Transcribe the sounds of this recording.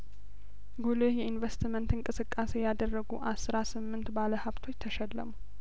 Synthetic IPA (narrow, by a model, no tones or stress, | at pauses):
ɡulehjɛinvest̪imənt̪ɨŋkʼɨsɨkʼːasejad̪ərːəɡuʔasɾasɨmːɨnt̪baləhaβt̪ʰo̞t͡ʃːt̪ʰəʃɛlːə̰mu